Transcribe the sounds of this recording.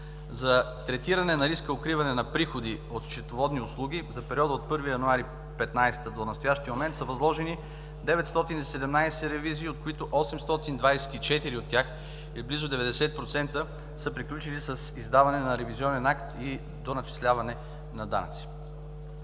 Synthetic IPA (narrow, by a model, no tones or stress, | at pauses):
zɐ | t̪ɾɛt̪iɾɐnɛnɐɾiskəokɾivɐnɛnɐpɾixod̪iot̪t͡ʃɛt̪ovɔd̪niʊslˠuɡ̟ʲizɐpɛɾiɔd̪əot̪̚pɤɾvijɐnuaɾi | pɛt̪najst̪əd̪onɐst̪ojaʃt̪iəmomɛnt̪səvɐzlˠɔʒɛni | d̪ɛvɛt̪st̪ɔt̪inisɛd̪ɛmnajsɛɾɛviziːot̪̚koit̪oʔɔsɛmst̪ɔt̪ind̪vajsɛ̥t̪it͡ʃɛt̪iɾiot̪ʲːjax | iblizʊd̪ɛvɛd̪ɛsɛt̪̚pɾot̪sɛnt̪ə | səpɾiklʲut͡ʃilisəsizd̪avɐnɛnɐɾɛvizʲiɔnɛnakt̪i | d̪onɐt͡ʃi̥slʲavɐnɛ | nɐd̪a̰nɐ̰t̪si̥